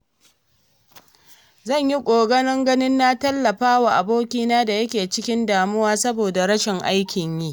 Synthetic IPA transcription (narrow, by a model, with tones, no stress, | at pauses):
zɐ˦˨ɲji˦kʷʼoː˨ɡɐ˦nɐ˦ŋɡɐ˦nɪ˦nːa˦tɐ˦lːɐ˨ɸaː˦waː˨ʔa˨boː˦kʲiː˦naː˦da˨jɐ˦kʲeː˨t͡ʃɪ˦kʲɪ˦ndaː˨mʊ˦waː˦sɐ˦boː˨da˨ɽɐ˦ʃɪ˨ŋʔa˦jkʲɪ˨ɲjiː˦